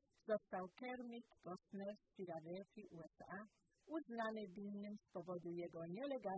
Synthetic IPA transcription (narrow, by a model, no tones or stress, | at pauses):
z̥ɔst̪awkɛɾmʲikkɔsnɛɾspʲiɡad̪ɛlfʲiʔuɛsa | uznanɘvʲinːɘmspɔvɔd̪ujɛɡɔɲɛlɛɡa